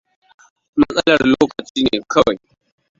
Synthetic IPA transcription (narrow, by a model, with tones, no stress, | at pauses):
mɐ˦sʼɐ˦lɐ˨rloː˦kɐ˨t͡ʃiː˦neː˨kʰɐ˦wa˨j